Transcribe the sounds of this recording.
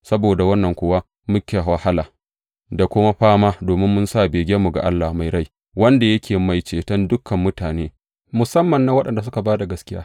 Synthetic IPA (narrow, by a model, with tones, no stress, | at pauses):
sɐ˦boː˨da˨wɐ˦nːɐ˨ŋkʷʊ˦wa˦ | mʊ˦kʲeː˨wa˨ha˦laː˨ | da˨kʷʊ˦ma˦ɸaː˦maː˦doː˨mɪ˦mːʊ˦nsaː˦˨beː˨ɡʲe˦mːu˨ɡa̰˨ʔa˦lːa˨ma˨jɽa˦j | wɐ˦nda˨jɐ˦kʲʰeː˨ma˨jt͡ʃeː˨tɐ˦ndʊ˦kʰːɐ˨mːʊ˦taː˨neː˦ | mʊ˨sɐ˦mːɐ˨nːa˦wɐ˦ɗɐ˨nda˨s̬ʊ˦ka˨baː˦da˨ɡɐ˦skʲɪ˦ja̰ː˦